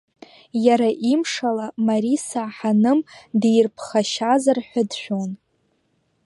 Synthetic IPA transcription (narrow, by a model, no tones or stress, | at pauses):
jaɾaʔimʂalamaɾisaħanɨmdejrpʰχaʃazarħʷadʃʷᶣon